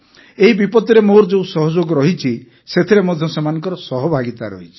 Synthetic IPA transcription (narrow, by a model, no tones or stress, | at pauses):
eɦibipɔt̪iɾemoɾd͡ʒeusɔɦɔd͡ʒoɡɔɾɔɦit͡ʃʰi | set̪ʰiɾemɔd̪ʱjɔsemanɔŋkɔɾɔsɔɦɔbʱaɡit̪aɾɔ̰ɦit͡ʃʰi̥